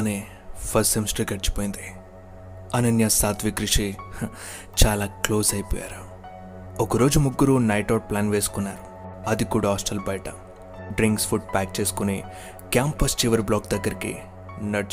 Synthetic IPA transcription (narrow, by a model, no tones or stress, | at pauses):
neː | pʰɐsimsʈɐɡɐʈt͡ʃi̥poːjind̪i | ɐnɐnjɐsaːt̪ʋikɾiʂi | t͡ʃaːlaːkloːsɐjpɔ̰ːja̰ːɾu | okɐɾo̞ːd͡ʒumuɡːuɾunɐjʈaːʈ̚plaːnʋe̞ːsu̥kunːa̰ːɾu | ɐd̪ikuːɽaaːsʈɐlbɐjʈɐ | ɖɾiŋkspʰuɖ̚paːk̚t͡ʃe̞ːsu̥kune | kjaːmpɐst͡ʃiʋɐɾblɔːkd̪ɐɡːɐɾikḭ | nɐɽt͡ʃ